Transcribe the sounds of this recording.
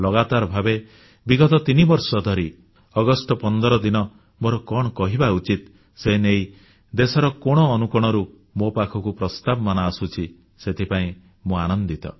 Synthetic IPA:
lɔɡat̪aɾbʱabe | biɡɔt̪ɔt̪inibɔɾsɔd̪ʱɔɾi | ɔɡɔsʈɔpɔnd̪ɔɾɔd̪inɔ | moɾɔkɔɽ̃ɔkɔɦibaut͡ʃit̪ | senej | d̪esɔɾɔkɔɽ̃ɔːnukɔɽ̃ɔɾu | mopakʰɔkupɾɔst̪abɔmanaːsut͡ʃʰi | set̪ʰipaĩ | muanɔnd̪it̪ɔ̰

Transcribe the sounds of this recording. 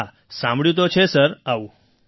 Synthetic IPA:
a | sãmbɭjut̪̬ot͡ɕʰesəɾau

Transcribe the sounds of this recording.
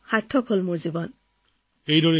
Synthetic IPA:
xaɹtʰːɔkʰɦolmuɹzibɔn | ejdoɹi

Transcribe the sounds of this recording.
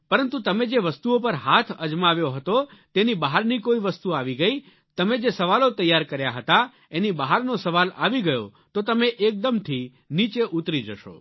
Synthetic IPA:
pəɾənt̪ũt̪əmed͡ʒeʋəst̪uopəɾɦat̪ʰəd͡ʒmaʋjoɦət̪ot̪enibaɦaɾnikoiʋəst̪uaʋiɡəi | t̪əmed͡ʒesəʋalot̪əjːaɾkəɾjaɦət̪a | enibaɦaɾnosəʋalaʋiɡəjot̪ot̪əmeʔek̚d̪əmt̪ʰi | nit͡ʃeʔut̪ɾid͡ʒəʃo̰

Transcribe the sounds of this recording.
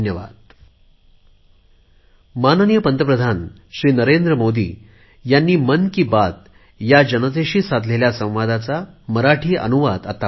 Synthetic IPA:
njəʋa̰d̪̚ | manənjəpənt̪əpɾəd̪ʱan | ɕɾiːnəɾend̪ɾəmod̪ḭː | janːiːmənkiːbat̪ | jad͡ʑənəd̪eɕiːsad̪ʱleljasə̃w̃ʋad̪at͡saməɾaʈʰiːʔə̰nuʋad̪at̪a

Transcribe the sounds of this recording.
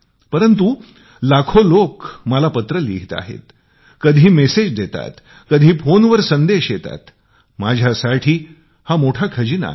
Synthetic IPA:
pəɾənt̪u | lakʰolokməlapət̪ɾəlḭɡt̪a̰ɦḛt̪ | kəd̪ʱiːmesed͡ʑd̪et̪a̰t̪ | kəd̪ʱiːfonʋəɾsənd̪eɕjet̪a̰t̪ | mad͡ʑʱjasaʈʰiː | hamoʈʰakʰəd͡ʑina̰

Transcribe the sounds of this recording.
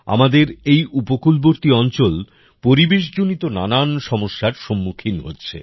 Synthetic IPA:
a̰mad̪eɾejʔupokulboɾt̪iɔnt͡ɕol | poɾibeʃ̬d͡ʑonit̪onananʃɔmoʃːaɾʃomːukʰinɦo̰tːɕʰḛ

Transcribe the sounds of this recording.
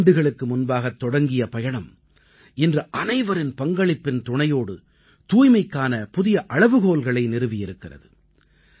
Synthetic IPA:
ɳɖɯɣɐɭɯkːɯmʊnbaːɣɐt̪ːɔɽɐŋɡɪjɐpɐjɐɳɐm | ɪndrɐʔɐnɐɪʋɐɾɪnpɐŋɡɐɭɪpːɪnt̪ʊɳɐjoːɽɯ | t̪uːjmɐɪkːaːnɐpʊðɪjɐʔɐɻɐʋɯɣoːlɣɐɭɐɪnɪɾɯʋɪjɪɾɯkːɪrɐ̰ðɯ

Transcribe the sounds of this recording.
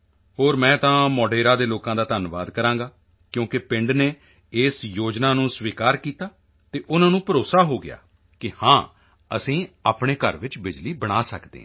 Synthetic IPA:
ɦoːɾmɛ̃ːt̪ãːmɔːɖeːɾaːd̪eːloːkãːd̪aːt̪ənʋa̰ːd̪kəɾãːŋɡaː | kjõːkɪpɪ̃ɳɖneː | eːsjoːd͡ʒnaːnũːsʋiːkaːɾkiːt̪aː | t̪eːʔʊnãːnũːpəɾoːsaːɦoːɡɪja̰ː | kɪhãː | ə̰sĩːaːpɳeːkə̰ɾʋɪt͡ʃbɪd͡ʒliːbəɽ̃aːsəkd̪ḛ̃ː

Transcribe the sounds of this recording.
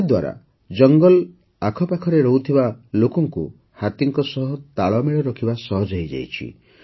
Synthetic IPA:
d̪waɾa̰ | d͡ʒɔŋɡɔl | akʰɔpakʰɔɾeɾɔɦut̪ʰibalokɔŋku | hat̪iŋkɔsɔɦɔt̪aɭɔmeɭɔɾɔkʰibasɔɦɔd͡ʒaɦjd͡ʒa̰jt͡ʃʰḭ

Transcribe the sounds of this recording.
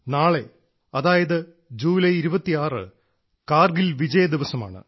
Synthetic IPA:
naːɭe | ɐðaːjɐðɨ | d͡ʑuːlɐjiɾubɐt̪ːijaːrɨ̰ | kaːrɡilʋid͡ʑɐjɐd̪iʋɐsɐma̰ːɳɨ̰

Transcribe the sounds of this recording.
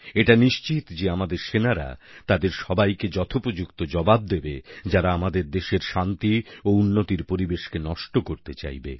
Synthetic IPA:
eʈaniʃt͡ɕit̪d͡ʑeamad̪eɾʃenaɾa̰t̪ad̪eɾʃɔbajked͡ʑɔt̪ʰopɾod͡ʑukt̪od͡ʑɔbab̚d̪ebed͡ʑaɾaamad̪eɾd̪eʃeɾʃant̪iounːot̪iɾpoɾibeʃkenɔʃʈokoɾt̪et͡ɕa̰jbḛ

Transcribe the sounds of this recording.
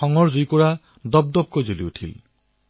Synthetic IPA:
ɔŋɔɹzujkɔɹa | dɔb̚d̪ɔb̚kojzoliutʰḭl

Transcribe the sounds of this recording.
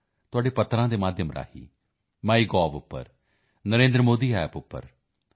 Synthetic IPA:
t̪ʊaːɖeːpət̪ːɾãːd̪eːmaːd̪ʱjəmɾa̰ːhḭː | maːiːɡɔːʋʊpːə̰ɾ | nəɾẽːnd̪ɾəmoːd̪iːɦɛːpʊpːə̰ɾ

